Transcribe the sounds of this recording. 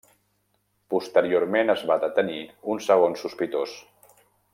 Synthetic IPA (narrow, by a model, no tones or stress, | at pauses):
pust̪əɾioɾmenəzβad̪ət̪əniunsəɣ̞onsuspit̪os